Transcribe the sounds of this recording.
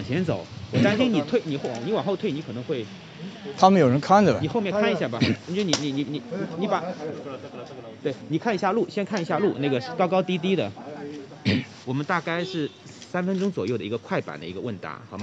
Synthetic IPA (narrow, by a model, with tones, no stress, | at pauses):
ŋɕjɛ˧˥nt͡so˨˩˦ʊwɔ˨˩t̪a˥nɕi˥ŋni˨˩t̪ʰwe˥˩ɪni˨˩xni˧˥wa˨˩ŋxo˥˧ʊwe˥˩ɪni˧˥kʰɤ˨˩nɤ˧˥ŋxwe˥˩ɪ | t̪ʰa˥mə˨njo˨˩ɻə˦˥nkʰa˥˩nd͡zə˨ni˨˩xo˥˧mjɛ˥˧kʰa˥˩ni˧˥ɕja˥˩bɐ˨˥˩t͡ɕni˧˥ni˧˥ni˧˥ni˧˩˧ni˧˥pa˧˥ | t̪we˥˩ɪni˨˩kʰa˥˩n˧˥ɕja˥˧lu˥˩ɕjɛ˥nkʰa˥˩ni˧˥ɕja˥˧lu˥˩na˥˩ɡə˩ʂ̩˥˩kɑ˥ʊkɑ˥ʊt̪i˥t̪̬i˥d̪ə˨ | wɔ˨˩mə˦nt̪a˥˧ka˥˧ɪʂɻ̩˥˩sa˥nfə˥nʈ͡ʂʊ˥ŋt͡swɔ˨˩jo˥˩d̪ə˩i˧˥ɡə˧kʰwa˥˩ɪpa̰˨˩nd̪ə̰˦i˧˥ɡə˧wə˥˩nt̪a̰˧˥xɑ˨˩ʊba˧˥